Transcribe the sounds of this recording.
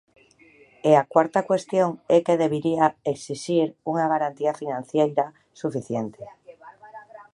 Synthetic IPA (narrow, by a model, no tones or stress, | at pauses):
eakwaɾt̪akwe̞st̪joŋekeð̞eβ̞iɾiaeksiʃiɾuŋaɣ̞aɾant̪iafinãn̟θjejɾa | sufiθjent̪e